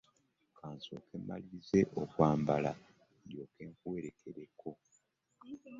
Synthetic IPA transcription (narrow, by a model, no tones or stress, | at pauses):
kʰaːnso̞̰ːke̞mːaliize̞ʔokwaːmbala̰ | djo̞ːke̞ːŋkuwe̞ɾe̞kʰe̞ɾekʰo̞